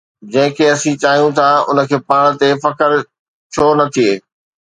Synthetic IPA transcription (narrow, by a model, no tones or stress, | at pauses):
d͡ʑɐ̃ɦɪ̃kʰeːɐsĩt͡ɕaːɦijũt̪ʰaʊ̰nə̆kʰeːpaːɽ̃̆t̪efɐkəɾ | t͡ɕʰoːnɐt̪ʰieː